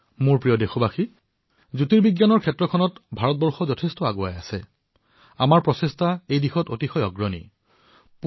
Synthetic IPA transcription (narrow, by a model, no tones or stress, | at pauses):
mʊɹpɹijɔdexɔbaxi | zutiɹbiɡjanɔɹkʰɛtɹɔkʰɔnɔtbʱaɹɔt̚bɔɹxɔzɔtʰestɔaɡoa̰jasɛ̰ | amaɹpɹɔsestʰaejdixɔtotixɔjɔɡɹɔnḭ | p